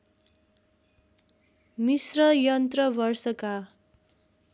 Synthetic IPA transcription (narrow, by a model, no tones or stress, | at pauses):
misrʌjʌnt̪rʌbʌrsʌka